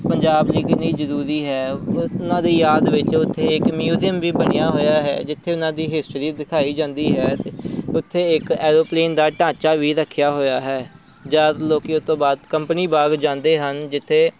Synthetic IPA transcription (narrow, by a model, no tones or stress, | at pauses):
pəɲd͡ʒaːbliːkɪniːzəɾuːɾiːɦɛːʊnãːd̪iːjaːd̪ʋɪt͡ʃʊt̪ʰːeːɪkmjuːzijəmʋiːbəɽiːãːɦoːjaːɦɛ̰ːd͡ʒɪt̪ʰːeːʊnãːd̪iːɦɪsʈɾiːd̪ɪkʰaːiːd͡ʒãːnd̪iːɦɛːt̪eʊt̪ʰːeːɪkɛːɾoːpleːnd̪aːʈãːt͡ʃaːʋiːɾəkʰːɪjaːɦoːjaːɦɛː | d͡ʒaːɾloːkiːʊt̪õːbaːd̪kəmpniːbaːɡd͡ʒãːnd̪eːɦənd͡ʒɪt̪ʰːeː